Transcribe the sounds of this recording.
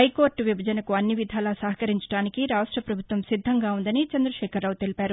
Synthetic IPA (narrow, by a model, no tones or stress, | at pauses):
ɐjko̞ːɾʈʋibʱɐd͡ʒɐnɐkuɐnːiʋid̪ʱaːlɐsɐɦɐkɐɾiɲt͡ʃɐ̥ɽaːnikiɾaːʂʈɾɐpɾɐbʱut̪ʋɐmsid̪ʱːɐŋɡaːund̪ɐnit͡ʃɐnd̪ɾɐʃɛːkʰɐɾːaːwt̪elipaːɾu